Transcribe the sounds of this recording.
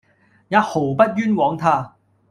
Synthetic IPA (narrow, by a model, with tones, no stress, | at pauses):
jaː˨˧˩ho˨˩pɐ˥t̚jyː˥nwɔː˨˥ŋt̪ʰaː˥˧